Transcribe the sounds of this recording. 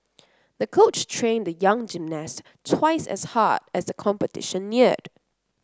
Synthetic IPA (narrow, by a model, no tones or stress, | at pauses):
ðəkʰoʊt͡ʃtʰɹẽɪ̃ndəjaʌ̃ŋd͡ʒĩmnɛs | tʰwaɪsɛ̰sha̰dɛsðəkʰɔ̃mpətʰɪ̰ʃə̃nːiəd̥